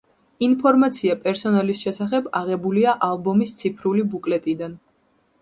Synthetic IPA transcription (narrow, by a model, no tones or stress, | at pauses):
inpʰɔɾmat̪sʰiapʼɛɾsɔnalisʃɛsaχɛbaʁɛbuliaʔalˠbɔmist̪sʰipʰɾulibukʼlɛt̪ʼid̪an